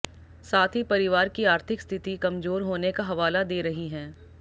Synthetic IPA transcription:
saːt̪ʰipɐɾɪʋaːɾkiaːɾt̪ʰɪkst̪ʰɪt̪ikɐmzoːɾɦoːnekaɦɐʋaːlad̪eːɾɐɦiɦɛ̃ː

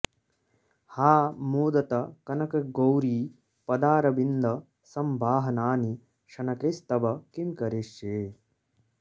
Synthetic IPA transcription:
haːmuːd̪ɐt̪ɐkɐnɐkɐɡowɾiː | pɐd̪aːɾɐbind̪ɐ | sɐmbʱaːɦɐnaːni | ʃɐnɐkɾist̪ɐbɐkimkɐɾiʂjeː

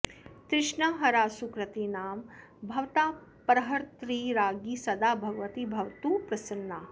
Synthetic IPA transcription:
t̪ɾɪʂɳɐɦɐɾaːsukɾɐt̪inaːm | bʱɐʋt̪aːpɐɾɐɦɐɾt̪ɾiːɾaːɡisɐd̪aːbʱɐɡɐʋɐt̪ibʱɐʋt̪uːpɾɐsɐnːaː

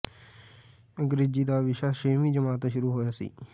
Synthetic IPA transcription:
ɡɾed͡ʒiːd̪aːʋɪʃaːʃeːmiːd͡ʒəmaːt̪ʃʊɾuːɦoːjaːsḭː

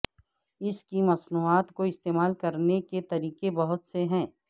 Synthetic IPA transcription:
ɪskimɐsnuːaːt̪koɪst̪eːmaːlkɐɾneket̪ɐɾiːkebɐɦʊt̪seɦɛ̃ː

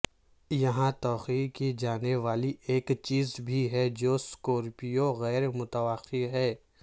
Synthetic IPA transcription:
jɐɦãt̪ɔːxiːkid͡ʒaːneʋaːlieːkt͡ʃiːzbʱiɦɛd͡ʒoːskoːɾpijoɣɛːɾmʊt̪əʋaqːiɦɛː

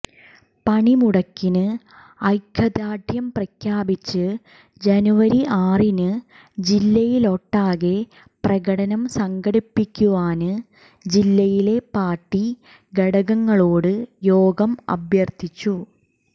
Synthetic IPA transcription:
pɐɳimuɽɐkːinɨ | ɐjkʰːɐd̪aːɖʱjɐmprɐkʰjaːbit͡ɕːɨ | d͡ʑɐnuʋɐɾiʔaːrinɨ | d͡ʑilːɐjilo̞ʈːaːɣe | prɐɣɐɽɐnɐmsɐŋɡɐɽipːikʲːuʋaːnɨ | d͡ʑilːɐjile̞paːrʈːi | ɡɐɽɐɣɐŋːɐɭoːɽɨjoːɡɐmɐ̰bʱjɐrt̪ʰit͡ɕːu

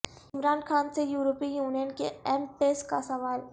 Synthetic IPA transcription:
ɪmɾaːnxʰaːnsejuːɾoːpijuːnijənkeɛːmʈeːskasɐʋaːl

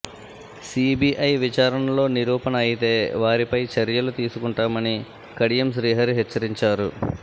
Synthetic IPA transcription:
siːbiːʔɐjʋit͡ʃaːɾɐɳɐlo̞ːniɾuːpɐnɐɐjit̪e̞ːʋaːɾipɐjt͡ʃɐɾjɐlut̪iːsukuɳʈaːmɐni | kɐɽijɐmsɾiːɦɐɾuɦɛt͡ʃːɐɾiɲt͡ʃaːɾu

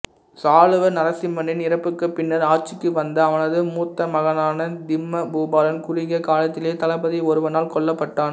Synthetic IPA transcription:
saːlɯʋɐnɐɾɐsɪmːɐnɪnɪrɐpːɯkːɯpːɪnːɐɾaːɾt͡ʃɪkːɯʋɐnd̪ɐːʋɐnɐðɯmuːt̪ːɐmɐɣɐnaːnɐd̪ɪmːɐbuːbaːlɐnkʊrɪɣɐkaːlɐt̪ːɪleːt̪ɐlɐpːɐðiɔɾɯʋɐnaːlkɔɭːɐpːɐʈːaːn

